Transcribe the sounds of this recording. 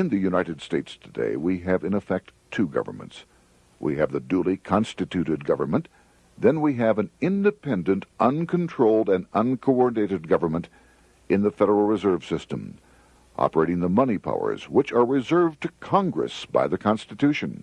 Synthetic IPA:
ɨ̃nðɨjʉnaɪɾɨd̥steɪtstʰɨdḛɪwiɨvɨ̃nɨfɛk̚tʰʉɡʌ̰və̰˞mə̰̃nts | wʔḭɨvðɨdulˠikʰɑ̃nstɨtʰʉɾɨd̚ɡʌvə˞mə̃n | ðɨ̃nwiɨvɨ̃nɪ̃ndɨpʰɛ̃ndɨ̃ntʔʌ̃nkʰn̩tʰɹ̥oʊlˠdɨ̃nʌ̃nkʰoʊɔɹdⁿneɪɾɨd̚ɡʌvə˞mə̃nt | ɨ̃nðɨfɛɾə˞l̩ˠɹɨzɜ˞v̥sɪstə̰̃m | ʔɑ̰pə˞eɪɾɪ̃ŋðəmʌnipʰa̰ʊə̰˞z̥wət͡ʃə˞ɹɨzɜ˞vtʰɨkʰɑ̃ŋɡɹɨ̰sb̥a̰ɪðɨkʰɑ̃nstɨtʰʉʃɨ̃n

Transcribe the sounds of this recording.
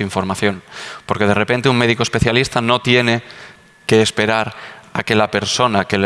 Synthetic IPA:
iɱfo̞ɾmaθjo̞npo̞ɾke̞ð̞e̞re̞pe̞nt̪euŋme̞ðikoespe̞θjalist̪ano̞t̪je̞ne̞ | ke̞ːspe̞ɾaɾake̞lape̞ɾso̞nakel

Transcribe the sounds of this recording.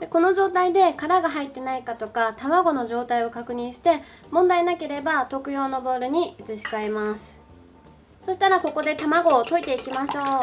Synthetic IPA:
d̪eko̞no̞ʑo̞ːt̪aid̪e̞kaɾaɡaɦait̪ːe̞naikat̪o̞kat̪amaɡo̞no̞ʑo̞ːt̪aio̞kakɯ̟ɲ̟ĩɰ̃ɕi̥t̪e̞ | mõnd̪ainake̞ɾe̞bat̪o̞kɯ̟jo̞ːno̞bo̞ːɾɯ̟ɲ̟iɯt͡sɨɕi̥kae̞masɨ̥ | so̞ɕi̥t̪aɾako̞ko̞d̪e̞t̪amaɡo̞ːt̪o̞it̪e̞ikʲimaɕo̞ː

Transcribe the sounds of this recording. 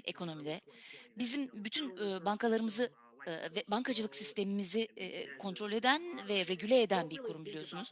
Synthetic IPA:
e̞̰kʰo̞no̞mid̪ɛbizimbyt̪ʰynːbaŋkʰalˠaɾɯmɯzɯ | vɛbaŋkʰad͡ʒɯlˠɯksist̪ʰe̞mimizikʰo̞nt̪ɾo̞lʲe̞d̪ænvɛɾe̞ɟylʲɛːd̪ænbiɾkʰoɾumbilʲijo̞sunuz̥

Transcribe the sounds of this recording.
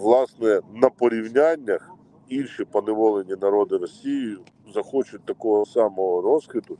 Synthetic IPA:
ʋlˠɑsnɛnɐpɔɾʲiwnʲanʲːɐx | ilʲʃipɔnɪʋɔlˠenʲːinɐɾɔd̪ɪɾɔsʲijijʊ | zɐxɔt͡ʃʊt̚ʲt̪ɐkɔɦɔsɑmɔɦɔɾɔz̥xɪt̪ʊ

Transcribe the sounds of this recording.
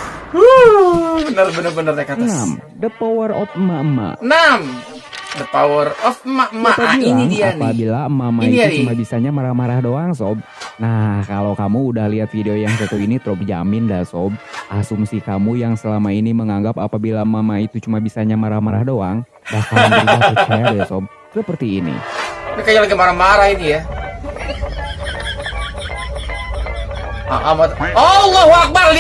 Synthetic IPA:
u | bənərbənərbənərɲakat̪nsamdəpawərɔfəmaəma̰nam | dəpawərɔfəmaəmːapabiiniŋianpabilaəmamaitaut͡ʃumabisaɲamaɾahmaɾahdoaŋsɔb̚nahkalowkamuːdahliat̪fideojaŋsət̪uinit̪ɾɔb̚d͡ʒa̰mɪndasɔb̚ʔasumsikamujaŋsəlamainiməŋaŋɡapapabilamamait̪ut͡ʃumabisaɲamaɾahmaɾahdoaŋ | bakamaukaadasɔb̚ | səpərt̪iːnḭpikaɲalaɡimaɾahmaɾahit̪uja | aʔamaɔlɔhwak̚bal

